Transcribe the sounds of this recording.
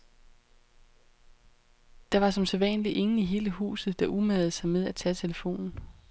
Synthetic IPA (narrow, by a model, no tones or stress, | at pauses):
d̥ɑ̈ʋɑ̈sɒ̽mseʋɛ̰nliʔe̝ŋn̩iɦe̝ːləhṵːsð̩ˠd̥ɑ̈ʔumæð̩ˠsɑ̈ɪmeð̞ˠæt͡sʰɛt͡sʰe̝ləfo̝̰ːnn̩